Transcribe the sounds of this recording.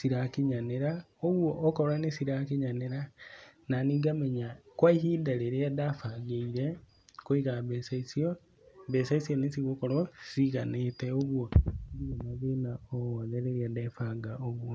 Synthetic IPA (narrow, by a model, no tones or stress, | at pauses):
siɾakiɲaneɾaoɣwoʔːkɔɾanesiɾakeɲaneɾananiːɡamɛɲakwaihidaɾeɾeadafaɡeiɾe | koiɣaβɛsaisio | βesaisionesiɣokoɾasiɣaneteoβwoβiɣonaβenaoɔnɛɾeɾiadɛfaɡaoβwo